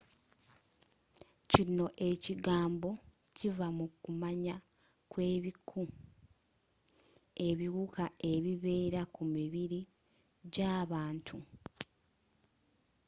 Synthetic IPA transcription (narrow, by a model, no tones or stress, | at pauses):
cino̞ʔe̞ciɡaːmbo̞ | civamukumaɲa | kwe̞ːβikʰu | e̞βiɣukae̞βiβe̞ːɾakumiβiɾi | ɟaːβaːntʰu